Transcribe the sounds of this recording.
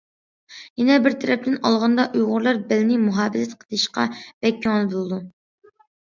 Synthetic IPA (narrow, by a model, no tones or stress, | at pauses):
jɛnɛbɪɾt̪ʰɛɾɛp̚t̪ɪnɑlˠʁɑnd̪ɑʔujʁʊɾlˠɑɾbɛlnɪmuɦɑːbɪzɛt̪qʰə̥d̪̥ɨʃqɑ̰b̥ɛkʰʲːyŋlˠɨbolˠɨd̪u